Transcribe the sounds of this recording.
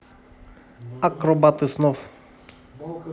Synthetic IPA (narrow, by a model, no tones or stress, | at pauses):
akɾɔbat̪ɨsnɔf